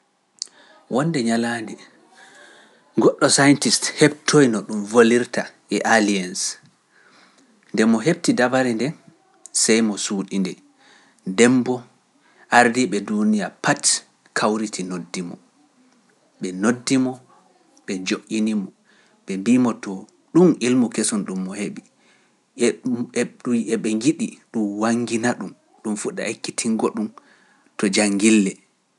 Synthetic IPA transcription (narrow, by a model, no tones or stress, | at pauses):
wʔɔnːdɛɲalaːndi | ɡɔɗːɔsajntisthɛb̚tʰojnɔɗumvoliɾta | ɛʔalians | ndɛmɔɦeb̚tidabaɾɛndɛ | sɛjmɔsuːɗindɛ | dɛmbɔ | ʔaɾdiɓɛdunijapʰat | kʰawɾitʰinodːimɔ̰ | ɓɛnodːimɔ | ɓɛd͡ʒoʔinimɔ | ɓɛmbimɔtɔ | ɗumilmukesɔnɗumːɔheɓi | uɛɓɛŋɡiɗiɗumwaŋːɡinaɗum | ɗumfuɗa̰ekːitʰiŋɡɔɗum | tɔd͡ʒaŋɡilːɛ